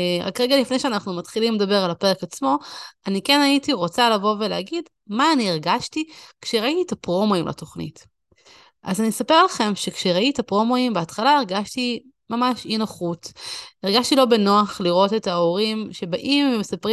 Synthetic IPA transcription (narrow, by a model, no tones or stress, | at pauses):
ʁa̰kʁeɡalifne̞jʃeanaχnumat̪χilimledabe̞ʁalape̞ʁekat͡smo̞anikenaitiʁo̞t͡salavo̞veleaɡid | maːniːʁɡaʃtikʃeʁaiit̪apʁo̞moimla̰to̞χnḭt | ʔa̰zanisape̞ʁalaχe̞mʃe̞kʃeʁaitapʁo̞mo̞imbeatχalaiʁɡaʃti | mamaʃinaχutiʁɡaʃtilo̞be̞noaχliʁo̞te̞taoʁimʃe̞baʔimvemesapʁi